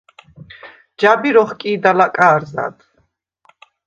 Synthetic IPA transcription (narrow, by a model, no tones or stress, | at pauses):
d͡ʒabiɾɔχkʼiːd̪alakʼaːɾza̰d̪